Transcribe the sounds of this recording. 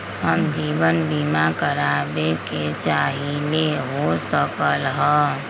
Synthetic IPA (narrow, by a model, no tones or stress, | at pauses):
həmd͡ʒiːbənbimakəɾaːbeket͡ʃaːɦileɦosəkəlɦɛː